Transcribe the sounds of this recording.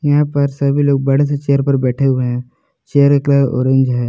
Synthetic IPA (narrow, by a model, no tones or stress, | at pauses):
jɐɦãpɐɾsɐbʱiloːɡ̚bɐɽ̤eset͡ʃeːəɾpɐɾbɛːʈʰeɦueɦɛ̃ | t͡ʃeːəɾeklao̰ːɾẽɲd͡ʒɦɛː